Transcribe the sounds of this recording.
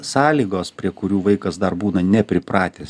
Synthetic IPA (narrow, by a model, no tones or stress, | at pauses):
sɑːlʲiːɡoːspʲɾʲiɛkʊɾʲuːʋɐɪkɐsd̪ɐrbuːnɐnʲɛpʲɾʲɪpɾɑːt̪ʲeːs